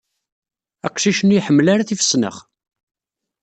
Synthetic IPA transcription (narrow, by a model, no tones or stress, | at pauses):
æ̰qʃiʃənujħəmːlaɾaθifə̥sːnə̰χ